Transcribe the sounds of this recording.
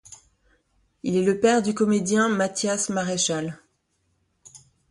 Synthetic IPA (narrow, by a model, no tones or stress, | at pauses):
ilɛləpɛʁd̪ykɔmed̪jɛ̃mat̪jasmaʁeʃal